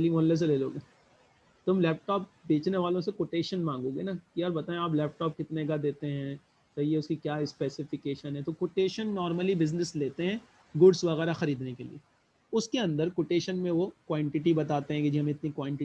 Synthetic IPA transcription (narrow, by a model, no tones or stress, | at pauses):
lĩõːlːes̬eleːlo̰ːɡeː | t̪ʊmlɛːp̚ʈɔːp̚beːt͡ʃneʋaːlõsekoːʈeːʃənmãːŋɡõːɡḛnakiɔːɾbɐt̪aːẽaːplɛːp̚ʈɔːp̚kɪt̪neɡad̪eːt̪eɦɛ̃ | t͡ʃɐɦieʊskikjaːspɛːsɪfɪkeːʃənɦɛ̃t̪okoʈeːʃənːɔːɾməlibɪznɪsleːt̪eɦɛ̃ | ɡʊɖsʋɐɣɛːɾaxɐɾiːd̪nekelḭe | ʊskeɐ̃nd̪əɾkoːʈeːʃənmẽʋokwãːɳʈɪʈibɐt̪aːt̪eɦɛ̃kid͡ʒiɦɐ̃mɪt̪nikwãːɳʈɪ